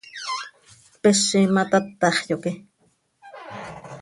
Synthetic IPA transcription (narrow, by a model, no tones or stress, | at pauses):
peʃimat̪at̪ːɑχjoki